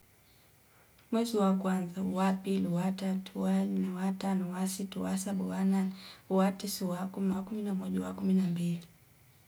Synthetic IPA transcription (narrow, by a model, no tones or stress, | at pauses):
mwɛziwakwanzawapiliwatatʰualnɛwatanuwasituwasaɓuwananwatisiwakumakuminamɔʄawakuminambili